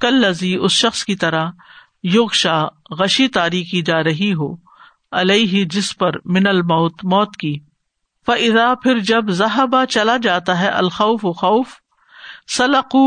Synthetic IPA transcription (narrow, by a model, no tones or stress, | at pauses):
kɐlːɐziʊsʃɐxskit̪ɐɾa | jʊɣʃaːɣɐʃit̪aːɾiːxid͡ʒaːɾɐɦiɦo̰ː | ɐleːɦid͡ʒɪspɐɾmɪnɐlmɐːt̪mɔːt̪kiː | fɐʔɪðaːpʰɪɾd͡ʒɐbzɐɦəbat͡ʃɐlad͡ʒaːt̪aɦɛʔɐ̰lxɐʊfʊxɐːf | sɐlɐquː